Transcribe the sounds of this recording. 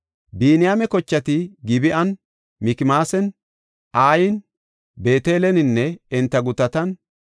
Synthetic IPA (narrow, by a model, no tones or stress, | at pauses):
biːnɪjaːmɛkɔt͡ʃːɐt̪ɪɡɪbɪʔɐn | mɪkɪmaːsɛn | ʔaːjɪn | beːt̪eːlɛnɪnːɛɪnt̪ːɐɡʊt̪ɐt̪ɐn